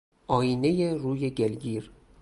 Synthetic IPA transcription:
ʔɒːjiːne̞jeɾuːje̞ɟelɡiːɾ

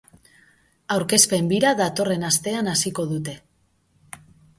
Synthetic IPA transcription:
awɾke̞spe̞mbiɾaðat̪o̞re̞nast̪e̞anasiko̞ðut̪e̞

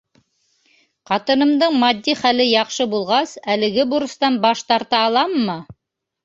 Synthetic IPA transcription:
qɑt̪ɤ̆nɤ̆md̪ɤɴmɑd̪ʲːiχælɘjɑqʃɤbulˠʁɑsælɘ̆ɡɘbuɾɤ̆st̪ɑnbɑʃt̪ɑɾt̪ɑːlˠɑmːɤ

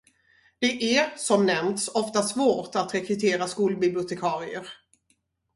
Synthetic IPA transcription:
d̪̥ɛʔæsɔmnɛmt̪sɔft̪asvoːʈat̪ɾɛkɾɵt̪ʰeːɾaskuːlbɪblʊt̪ʰɛkʰɑːɾɪəɾ

